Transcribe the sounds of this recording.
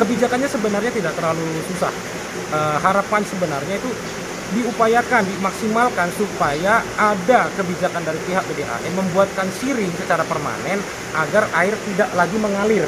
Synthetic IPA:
kəbid͡ʒakanɲasəbənarɲat̪idaʔk̚t̪ərlalususa̰h | ʔəːɦaɾapansəbənarɲait̪u | diupajakandimaksimalkansupajaʔadakəbid͡ʒakandaɾipiɦak̚bedeʔa̰ʔɛməmbuat̪̚kansiɾɪŋsət͡ʃaɾapərma̰nɛn | aɡaraɪrt̪idaʔlaɡiməŋalɪr

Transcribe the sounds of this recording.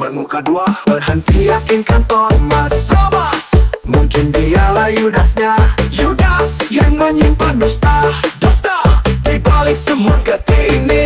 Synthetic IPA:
bərnukaduahbərɦənt̪ijakɪnkant̪ɔmasamasmuŋkɪndialahjudasɲajudasjaŋməɲimpandust̪ahdust̪at̪ibalɪk̚səmukət̪ini

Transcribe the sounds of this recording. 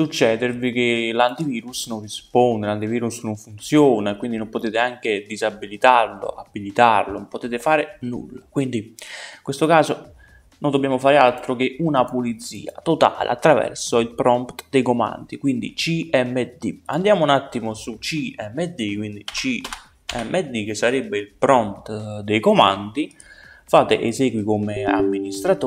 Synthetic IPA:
sut͡ʃːɛːd̪eɾvik̟elant̪iviːɾusnonrispond̪elant̪iviːɾusnoɱfunt̪sjoːnaekwind̪inompot̪eːt̪ɪaŋk̟ed̪izabːilit̪arlo̰ʔabːilit̪arlonmpot̪eːt̪efaːɾɪnṵlːakwind̪iiŋkwest̪okaːzo | nond̪obːjaːmofaːɾɪalt̪ɾok̟eʔunapulit̪sːḭːa̰t̪ot̪a̰ːlḛa̰t̪ːɾavɛ̰rsʊilpɾɔnpt̪d̪ejkoma̰nd̪ikwind̪ḭt͡ʃiɛmːed̪ḭand̪jaːmounat̪ːimʊsut͡ʃiɛmːed̪ikwind̪it͡ʃi | ɛmːʔɛd̪ik̟ɪsːaɾɛbːeilpɾɔnt̪d̪ejkoma̰nd̪i | faːt̪ɪʔezɛːɡwikomɪa̰mːinist̪ɾat̪o

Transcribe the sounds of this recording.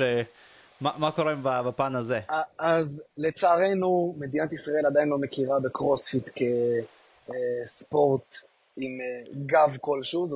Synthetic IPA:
e | mamakoʁembabapanazeaazle̞t͡saːʁe̞numed̪inat̪isʁae̞lad̪ainlo̞me̞kiʁabe̞kʁo̞sfit̪ke̞ | spo̞ʁt̪ | imɡavko̞lʃuzo

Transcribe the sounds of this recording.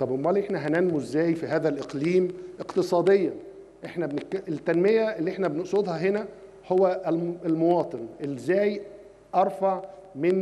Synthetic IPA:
t̪ˤɑbʔombɑlːiʔeħnæɦænænmuzːæːjfiɦæːðælʔeqliːmʔeqt̪esˤɑːd̪ejːɑ | ʔeħnæbeneet̪ːænmejæʔelːiʔeħnæbeneʔsˤod̪hɑɦenæ | howːæʔlelmowɑːt̪ˤenʔelzːæːj | ʔɑɾˤfɑʕmen

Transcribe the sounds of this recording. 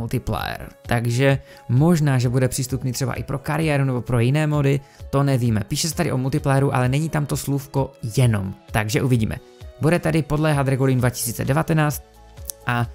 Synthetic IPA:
ult̪ɪplɛ̰ɛ̰ɾt̪aɡʒɛ | mo̞ʒnaːʒɛbudɛpr̝̥iːst̪upniːt̪r̝̥ɛba̰ʔɪpɾo̞kaɾɪjɛɾunɛbo̞pɾo̞jɪnɛːmodɪt̪o̞nɛviːmɛpiːʃɛsɛt̪adɪʔo̞mult̪ɪplɛjɛɾuʔa̰lɛnɛɲiːt̪amt̪o̞slufko̞jɛno̰mt̪aɡʒɛʔuvɪɟḭːmɛ̰ | budɛt̪ɛdɪpo̞dlɛːɦat̪ɾɛɡulɪndvacɪ̥siːt͡sɛ̰dɛvat̪ɛnaːt͡st̪̚ | ʔa

